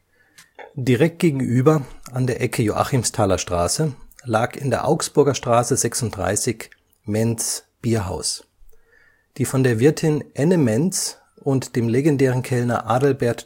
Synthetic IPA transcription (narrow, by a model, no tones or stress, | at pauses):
d̥iʁɛk̚t̚ɡ̥eːɡŋ̩ʔyːbɐandeːɐʔɛkʰəjoʔa̰χimstʰaːlɐʃtʁ̥a̰ːsəlaːkɪndeːɐʔa̰ʊksb̥ʊɐɡɐʃtʁ̥aːsəzɛksʊnt̚d̥ʁa̰ɪsɪç | mɛnt͡sb̥iːɐɦa̰ʊs | d̥iːfɔndeːɐvɪɐtʰɪnʔɛnəmɛnt͡s | ʔʊntd̥eːmleɡɛndɛːʁ̞ənkʰɛlnɐ̰ʔaːdl̩bɛɐt